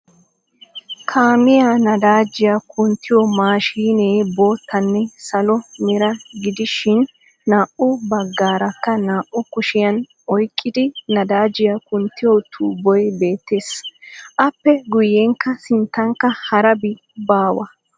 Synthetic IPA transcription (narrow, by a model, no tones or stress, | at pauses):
kʰaːmɪjanɐd̪aːd͡ʒɪjɐkʊnt̪ːɪjɔmaːʃiːneːbo̞ːt̪ːɐnːɛsɐlɔmɛɾɐɡɪd̪ɪʃɪnː | aːʔʊbɐɡːaːɾɐkːɐnaːʔʊkʊʃɪjɐn | ɔjkʼːɪd̪ɪnɐd̪aːd͡ʒɪjɐkʊnt̪ːɪjɔt̪ʰuːbɔjbe̞ːt̪ːe̞ːsʔɐpːɛɡʊjːeŋkːɐsɪnt̪ːɐŋkːɐhɐɾɐbɪ | baːwɐ